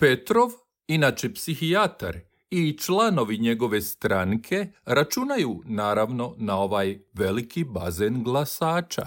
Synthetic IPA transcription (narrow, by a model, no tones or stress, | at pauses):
pe̞t̪ɾo̞ʋ | inat͡ʃepsixiat̪a̰ɾ | it͡ʃlano̞ʋiɲe̞ɡo̞ʋe̞st̪ɾaŋkʰe̞ɾat͡ʃunajunaːɾaʋno̞nao̞ʋajʋe̞likʰibazenɡlˠasaːt͡ʃa̰